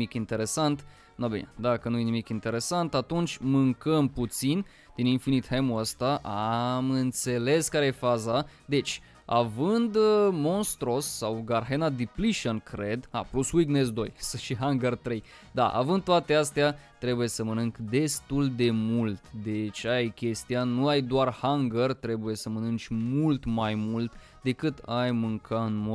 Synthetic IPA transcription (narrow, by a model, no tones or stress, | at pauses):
ikint̪eɾe̞sant̪ | nobḭnd̪akənujenimikint̪e̞ɾe̞sant̪at̪unt͡ʃʲmɨŋkəmput̪sin | d̪̥ininfinit̪hemuəst̪aʔamɨnt̪se̞le̞skaɾejefaza | d̪e̞t͡ʃʲ | avɨnd̪mo̞nst̪ɾosːawɡarɦenad̪ipliʃənkɾe̞d̪a̰pluswiɡnesd̪o̞jsəʃiɦaŋɡərt̪ɾe̞j | d̪a̰ʔa̰vɨnd̪̚t̪oat̪e̞ast̪eat̪ɾe̞buje̞səmənɨŋkd̪e̞st̪uld̪e̞mult̪d̪e̞t͡ʃʲajkʲe̞st̪ijanuajd̪oarhaŋɡərt̪ɾe̞buje̞səmənɨnt͡ʃʲmult̪majmult̪ | d̪e̞kɨt̪ajmɨŋkʰaɨnmo